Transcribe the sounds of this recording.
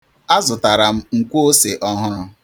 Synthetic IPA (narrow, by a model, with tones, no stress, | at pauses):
a˦zʊ˨ta˨ɾa˨m̩˦ŋ̩˨kʷo˦o˦se˨ʔɔ˦ɦʊ˦ɾʊ˦